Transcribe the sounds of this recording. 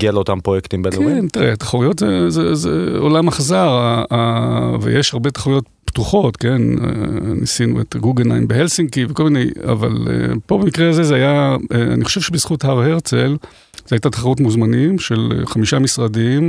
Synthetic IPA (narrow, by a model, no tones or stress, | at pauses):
ɡialeot̪ampʁojekt̪imbekueentiʁeatḁχaʁujo̞tzezezḛo̰lamaχazaʁaavḛjʔeʃhaʁbe̞taχaʁujo̞tptuχo̞tke̞nḛnisinṵetɡuɡena̰jmbehelsiŋkivekolmineja̰va̰lḛpo̞bemikʁeaze̞zeajaea̰niχo̞ʃevʃebiz̥χuthaʁheʁt͡sel | zeajtatḁχaʁutmuzmanimʃe̞l̰χamiʃamisʁadim